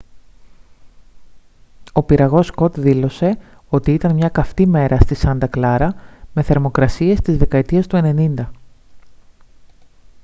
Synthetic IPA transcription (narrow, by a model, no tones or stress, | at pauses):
o̞piɾɐɣo̞sko̞t̪ðilo̞se̞ | o̞t̪iit̪ɐnmɲɐkɐft̪ime̞ɾʔɐst̪isɐnd̪ɐklɐɾɐme̞θe̞ɾmo̞kɾɐsie̞st̪izðe̞kɐet̪iɐst̪ue̞ne̞nind̪ɐ